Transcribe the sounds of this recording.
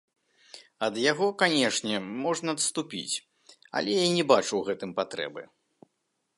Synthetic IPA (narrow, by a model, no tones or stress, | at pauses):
ɐd̪jaɣɔkanʲɛʂnʲɛmɔʐnɐɐt̪st̪upʲḭt͡sʲ | ɐ̰lʲɛjanʲɛbat͡ʂuwɣɛt̪ɨmpat̪ɾɛ̰bɨ̰